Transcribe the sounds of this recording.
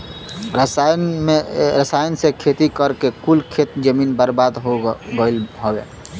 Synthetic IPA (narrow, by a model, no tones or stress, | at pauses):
ɾəseɾəsajənsẽkʰet̪ikəɾkekulkʰet̪d͡ʒəminbəɾbad̪ɦoɡəɪləbḛ